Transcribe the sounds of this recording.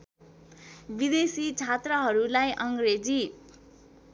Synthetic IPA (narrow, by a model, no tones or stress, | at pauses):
bid̪esit͡sʰat̪rʌɦʌɾulajʔʌŋɡred͡zi